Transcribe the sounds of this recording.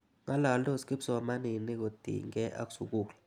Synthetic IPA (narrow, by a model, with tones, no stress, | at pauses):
ŋa˦la˨lɔ˦ski˦psɔ˨a˨ma˦ni˨ni˦k̬o˨d̥ʱḭ˨ŋɛ˦ʔa̰˦ksu˨kuːkla